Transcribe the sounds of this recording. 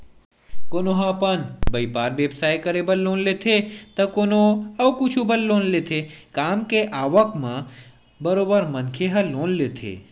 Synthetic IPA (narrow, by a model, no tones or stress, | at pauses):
koːnoɦãpɐnbəipaːɾʋeːbsaːjkəɾebəlloːnlet̪ʰet̪ɐkoːnoɐʋkʊt͡ʃʰubəlloːnlet̪ʰekaːmkeʔaːʋəkmã | bɐɾoːbəɾmɐnkʰeɦɐloːnleːt̪ʰḛː